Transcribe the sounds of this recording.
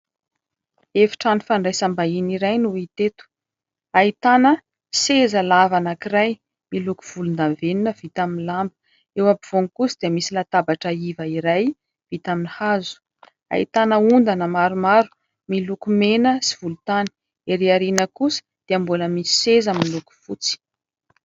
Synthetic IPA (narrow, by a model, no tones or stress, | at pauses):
efi̥ʈ͡ʂanifaɳɖ͡ʐajsambainiɾajnuit̪et̪u̥ | ait̪anə | sezəlavanakiraj | miluku̥v̥ulund̪aveninəv̥it̪aminlambə̥ | ewabiv̥oŋkusid̪eəmisilat̪abaʈ͡ʂəivəiɾaj | vit̪aminihazu̥ | a̰it̪anəund̪anəmaɾumaɾu̥ | milukumenəsiv̥ulut̪ani̥ | eɾeaɾinəkusə̥d̪̥eambuləmisi̥sezamiluku̥fut͡si̥